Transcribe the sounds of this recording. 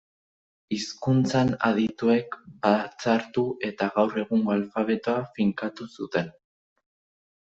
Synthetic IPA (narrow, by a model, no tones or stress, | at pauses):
iskunt͡sana̰ðit̪ue̞kbat͡saɾt̪uʔe̞t̪aɣawre̞ɣuŋɡoalfaβ̞e̞t̪oafiŋkat̪usut̪e̞n